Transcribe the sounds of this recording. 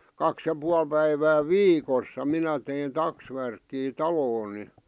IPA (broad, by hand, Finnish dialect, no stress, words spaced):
kɑks jɑ puɑl pæiʋæ ʋiːkosːɑ minæ tein tɑksʋærkːiː tɑloːn̆ ni